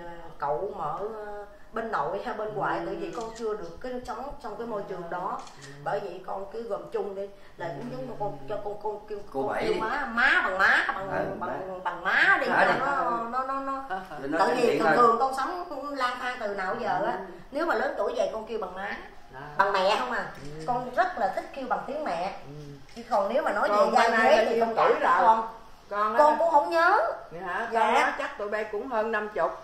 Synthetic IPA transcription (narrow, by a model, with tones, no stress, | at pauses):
kə̰˧˨wməː˧˨ | ɓe˧nːo̰˧˨jhaː˧ɓe˧nkwa̰ː˨jt̪ə̰˧˨jvi˨˩kɔ˧nt͡ɕɨ˧əɗɨ˨˩əkːaː˨˦sə˨˦wŋ͡mt͡ɕwŋ͡mkaː˨˦jmo˧jt͡ɕɨ˨˩əŋɗɔ˨˦ | ɓəː˧˩jvi˨˩kɔ˧nki˧˨˦ɣə˨˩mt͡ɕʊ˧ŋ͡mɗi˧ | laː˨˩kɲɨ˨˧˦mː˨˩kɔ˧nt͡ɕɔ˧kɔ˧knki˧wkki˧əwmaː˨˦maː˨˦ɓa˨˩ŋmaː˨˦ɓa˨˩ŋ˨˩ɓa˨˩ŋ˨ɓa˨˩ŋmaː˨˦ɗi˧˨nɔ˨˦˧nɔ˨˦nɔ˨˦nɔ˨˦ | t̪ə˦˩ɲi˨˩t̪ːt̪ɨ˨˩əŋkɔ˧nsa˨˦wŋ͡mlaː˧nt̪ʰaː˧ŋt̪ɨ˨˩na̰ː˧˨wzəː˨˩ʔaː˨˦ | ne˨˦wmaː˨˩ləː˨˦nt̪ɨ˧˩jzə̰˧˨jkɔ˧nki˧əwɓa˨˩ŋmaː˨˦ | ɓa˨˩ŋmɛ̰˧˨hə˧wŋ͡mʔaː˨˩kɔ˧nzə˦˥t̚laː˨˩t̪ʰï˦˥k̟̚ki˧əwɓa˨˩ŋt̪i˨˦əŋmɛ̰˧˨ | t̪ʰi˨˩kɔ˨˩nne˨˦wmaː˨˩nɔ˨˦jzə̰˧˨zaː˧˨e˨˦t̪i˨˩ɔ˧ɨ˧˨a˨kɔ˧n˧ | kɔ˧nkʊ̰˧˥ŋ͡mhə̰˧˥wŋ͡mɲəː˨˦ | a˨˧˦t͡ɕa˦˥k̚t̪ṵ˧˨jɓa˨˦kʊ̰˧˥ŋ͡mhəː˧nːa˧mt͡ɕʊ˨˩k͡p̚